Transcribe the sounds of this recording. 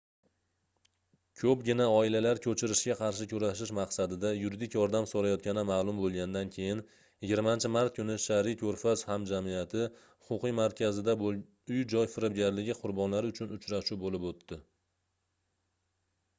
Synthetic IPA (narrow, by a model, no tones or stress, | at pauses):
kʲʰɵp̚ɡʲɪnaɒɪlalaɾkʲʰɵt͡ʃʰɪɾɪʃɡʲaqʰɑɾʃɪkʲʰʊɾaʃɪʃmɑqsad̪ɪd̪ajʊɾid̪ɪkʲjɒɾd̪amsoɾajɒt̪̚kʲʰanɪmalˠʊmbolˠɡʲand̪ankʲʰe̞jɪn | jɪɡʲɪɾmant͡ʃʰɪmaɾt̪̚kʰʊnɪʃaɾikʲʰɵɾfashamd͡ʒamijat̪ʰɪ | hʊqʊqɨjmaɾkʲʰazɪd̪ab | ʊjd͡ʒɒjfɪɾɪb̚ɡʲaɾlɪɡʲɪqʰʊɾbɒnlaɾʊt͡ʃʰʊnʊt͡ʃɾaʃubolɪpot̪ʰːɪ